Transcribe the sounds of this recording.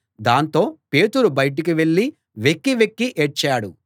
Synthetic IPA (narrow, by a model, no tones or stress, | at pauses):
d̪aːnt̪o̞ːpe̞ːt̪uɾubɐjʈ̬ik̬iʋe̞ɭːi | ʋe̞kːiʋekːiʔeʈ̚t͡ʃaːɽu